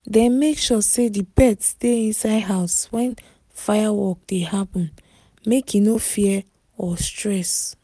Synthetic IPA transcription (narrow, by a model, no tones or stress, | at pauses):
dɛ̃nmekʃɔsedipɛtsteĩnsaɪdɦaʊswɛ̃n | fajawɔk̚dehapɔ̃n | mekinofiɛ | ɔstɹɛs